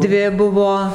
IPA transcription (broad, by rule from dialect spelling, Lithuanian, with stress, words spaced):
ˈdʲʋʲɪ ˈbʊʋoː